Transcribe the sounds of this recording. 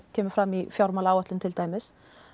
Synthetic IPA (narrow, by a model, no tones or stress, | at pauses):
kʰeːməfɾɑmːifjɔɾmɑlɑwɑt̪lənt̪ʰɪlt̪ʰæɪməs